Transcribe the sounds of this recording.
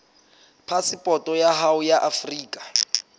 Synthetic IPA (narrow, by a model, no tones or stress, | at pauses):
pʰasipʼɔtʼɔjaɦaujaʔafriːkʼḁ